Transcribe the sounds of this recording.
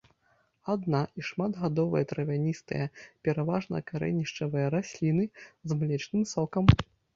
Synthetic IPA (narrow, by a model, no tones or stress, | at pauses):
ad̪naʔiʂmad̪ɣad̪ɔvɐ̰jɐt̪ɾɐvʲanʲist̪ɨ̰jɐpʲɛɾavaʐnɐ̰kaɾɛ̰nʲiʂt͡ʂɐvɐjɐɾasʲlʲin̪ɨzmlʲɛt͡ʂnɨmsɔkɐm